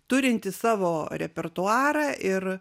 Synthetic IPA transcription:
t̪ʊɾʲɪnʲt̪ʲɪssɑːʋoːɾʲɛpʲɛrt̪ʊɑːɾɑːʔɪr

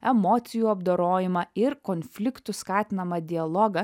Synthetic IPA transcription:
ɛmoːt̪sʲɪjuːɐbd̪oːɾoːjɪmɐɪɾkoːnʲfʲlʲɪkt̪ʊskɑːt̪ʲɪnɐmɐd̪ʲɪɐlˠoːɡɐ

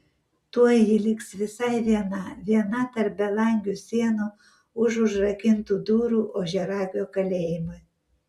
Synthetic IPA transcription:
t̪uɔjjɪlʲɪksʋʲɪsɑɪʋʲiɛnɐʋʲiɛnɐt̪ɐɾp̚bʲɛlˠɑŋʲɡʲusʲiɛnu | ʊʒʊʒrɐkʲɪnt̪uːd̪uːɾuːʔoːʒʲɛɾɑːɡʲoːkɐlʲeːjɪmoj

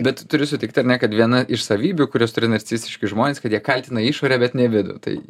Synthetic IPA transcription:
bʲɛt̪t̪ʊɾʲɪsʊt̪ʲɪkt̪ʲɐɾnʲɛkɐt̪ʋʲiɛnɐʔɪʃsɐʋʲiːbʲuːkʊɾʲoːst̪ʊɾʲɪnɐɾʲt͡sʲist̪ʲɪʃʲkʲɪʒmoːnʲeːskɐt̪jiɛkɐlʲt̪ʲɪnɐiːʃoːɾʲɛbʲɛt̪nʲɛʋʲɪd̪ʊ̰t̪ɐ̰ɪ

